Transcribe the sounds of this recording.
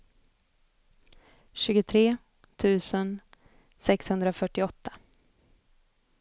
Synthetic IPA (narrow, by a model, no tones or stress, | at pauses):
ɕʉ̟ːɡʊt̪ʰɾeː | t̪ʰʉ̟ːsən | sɛkshɵnd̪ɾafœʈːɪɔt̪ʰːḁ